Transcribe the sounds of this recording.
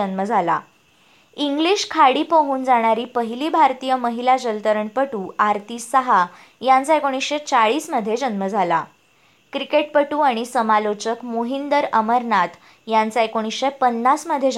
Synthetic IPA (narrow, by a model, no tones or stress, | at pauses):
ənməd͡zʱala | iŋɡliɕkʰaɽiːpəɦuːnd͡zaɽ̃aɾiːpəɦiliːbʱaɾt̪iːjəməɦilad͡ʑəlt̪əɾəɳpəʈuːaɾt̪iːsəɦa | jant͡saekoɽ̃isɕet͡saɭiːsməd̪ʱːjed͡ʑənməd͡zʱala | kɾikeʈ̚pəʈuːaɽ̃isəmalot͡ɕəkmoɦind̪əɾəməɾnat̪ | jãnt͡saekoɽ̃isɕepənːasməd̪ʱːje